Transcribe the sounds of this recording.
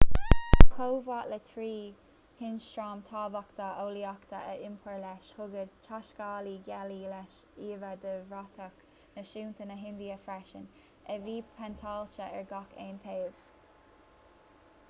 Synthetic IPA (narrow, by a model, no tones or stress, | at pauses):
kʰowvaːʔlət̪ʰɾiː | hɪnʃtɹɑːmt̪ʰɑːbakt̪əoːliɑkt̪əəʔɪmpʰəɹlɛʃhʊɡəd̪t͡ʃʰaʃkɑːliɡɛlilɛʃiːvəd̪əvɾat̪ʰək | nəʃuːnt̪ʰənəɦɪnd̪iəfɾɛʃən | ɛviːpʰɛnt̪ʰɑːlt͡ʃəʔɛɹɡɑkʰeːnt̪ʰeːv̥